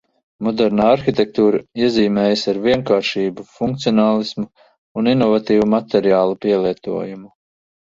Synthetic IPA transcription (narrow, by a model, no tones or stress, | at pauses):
mɔd̪ɛɾnaːaɾxit̪ʲɛk̚t̪uːɾaiɛziːmɛːjsaɾviɛŋkaːɾʃiːbufuŋk̚t̪siɔnaːlˠismu | uninɔvat̪iːvumat̪ɛɾjaːlˠupiɛlˠiɛt̪ṵɔjumu